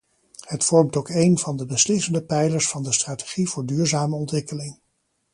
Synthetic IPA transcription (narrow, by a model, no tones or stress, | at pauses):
hətfɔɹmtowkejnvɑndəbəslɪsəndəpɛjləɹsfɑndəstraːte̥χivʊːɹdyːɹzaːməɔntʋɪkəlɪŋ